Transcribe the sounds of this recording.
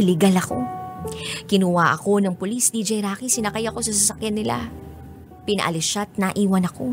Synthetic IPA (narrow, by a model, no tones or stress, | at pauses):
lɪɡalɐko̞ | kɪnʊwaːʔɐko̞nɐŋpʊlisd̪id͡ʒɛjɾaːkisɪnɐkajɐko̞sɐsɐsɐkjanːɪla̰ | pɪnɐ̰ʔɐ̰lɪʃat̪̚nɐʔiːwɐnɐko̞